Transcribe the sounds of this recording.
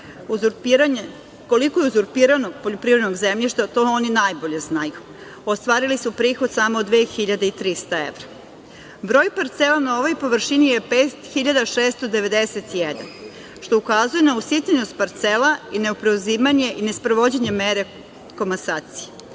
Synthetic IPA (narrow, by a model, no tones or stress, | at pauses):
uzuɾpiɾaɲe | kolikojeuzuɾpiːɾanoɡ̚poʎopɾiʋɾed̪noɡzemʎiʃt̪at̪ooninajbo̞ʎe̞znaju | ost̪ʋaːɾilisupɾiːxod̪̥samoːd̪ʋeːxiʎad̪eit̪ɾist̪aḛʋɾa | bɾo̞ːjpaɾt̪selanaoʋo̞jpo̞ʋr̩ʃinijepet̪xiʎad̪aʃeːst̪od̪e̞ʋe̞d̪eset̪ijed̪a̰n | ʃt̪o̞ukazuje̞nausit̪ʲenost̪̚paɾt̪selaine̞opɾeuziːmaɲe̞ʔinespɾoʋod͡ʑeɲe̞meɾe | ko̞masaːt̪si̥je